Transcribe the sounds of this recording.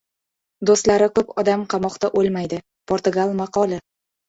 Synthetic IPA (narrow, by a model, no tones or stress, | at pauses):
d̪ost̪laɾɪkɵpɒd̪amqʰɑmɒqt̪aʔolˠmajd̪ɪ | pʰoɾt̪ʊɡalˠmaqɒlˠɪ